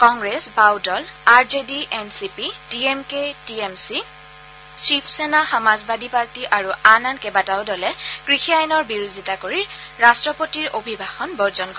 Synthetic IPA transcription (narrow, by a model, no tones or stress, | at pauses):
kɔŋɡɹesbawdɔlaɹzediʔensipidiemketiemsi | sipʰsenaxɔmazbadipaɹtiʔaɹuanankɛbataʊdɔlɛkɹixiajnɔɹbiɹuzitakoɹiɹ | ɹastɹɔpotiɹʔobʱibʱaxɔnbɔɹzɔnkɔ